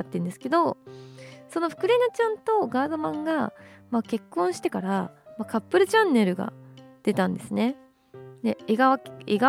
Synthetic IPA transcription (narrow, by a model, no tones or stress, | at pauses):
at̪ːẽ̞nd̪e̞sɨ̥ke̞d̪o̞ | so̞no̞ɸɯ̟̥kɯ̟ɾenot͡ɕãnt̪o̞ɡaːd̪o̞mãŋɡamake̞kːõ̞ɰ̃ɕi̥t̪e̞kaɾamakapːɯ̟ɾɯ̟t͡ɕãnːe̞ɾɯ̟ɡa̰d̪̥e̞t̪ãnd̪e̞sɨne̞ | d̪e̞eɡaaeɡa